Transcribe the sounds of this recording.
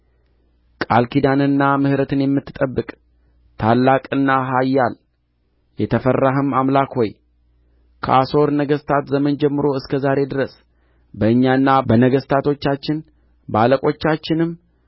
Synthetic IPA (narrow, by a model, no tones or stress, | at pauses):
kʼalkʰid̪anɨnːamɨhɾət̪ʰɨnjɛmːɨt̪ːɨt̪ʼəbːɨkʼ | t̪ʰalːakʼɨnːaɦajːal | jɛt̪ʰəfərːaɦəmamlakho̞j | kʰəaso̞ɾnəɡəst̪ʰat̪zəmənd͡ʒɛmːɨɾo̞ɨskʰəzaɾe̞d̪ɨɾəs | bəɨɲːaɨnːabənəɡəst̪ʰat̪ʰo̞t͡ʃːat͡ʃːɪn | baləkʼo̞t͡ʃːat͡ʃːɪnɨm